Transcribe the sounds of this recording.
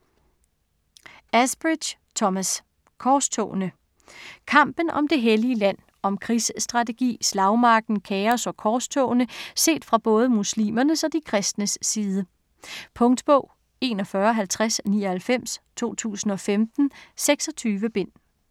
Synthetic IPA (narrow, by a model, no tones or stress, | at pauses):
æsb̥ʁid̥ɕ | t͡sʰɒmæs | kʰɒːst͡sʰɔ̰ːnə | kʰɑ̈m̰b̥n̩ʔɒ̽md̥e̝ɦeliəlæn̰ | ɒ̽mkʰʁisəsd̥ʁɑ̈t͡sʰe̝ɡ̥ḭːslɑ̈ʊmɑ̈ɡ̥̚n̩kʰɛɒsɒ̽kʰɒːst͡sʰɔʊnəse̝̰ːd̥fʁɑ̈b̥ɔ̽ːð̞ˠəmuslḭːmɐnəsɒ̽d̥ikʰʁɛsd̥nəsːiːðˠə | pʰɔ̽ŋd̥b̥ɔʊ̰ | e̝ːnɒfɶːɐɒɦælt͡sʰʁasniːɒ̽hælfem̰st͡sʰo̝̰ːt͡sʰṵːsn̩ɒ̽femd̥n̩seɡ̥sɒ̽t͡sʰyːʋəb̥e̝n̰